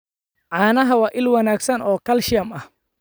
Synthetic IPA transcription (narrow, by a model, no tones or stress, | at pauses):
ʕɑːnɐɦɐwɑːʔɪlwɑnaːɡsɐnɔːkʰɐlʃɪjɐmɐh